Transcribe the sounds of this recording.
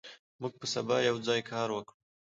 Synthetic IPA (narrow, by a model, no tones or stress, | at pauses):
mʊɡ̚pəsabɑjawd͡zɑːjkʰɑːɾwəkɽu